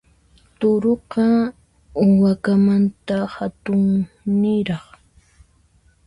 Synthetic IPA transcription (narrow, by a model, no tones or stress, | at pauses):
t̪ʊɾoqɑ | ʊwakamant̪ahat̪ʊŋ | nɪɾɑχ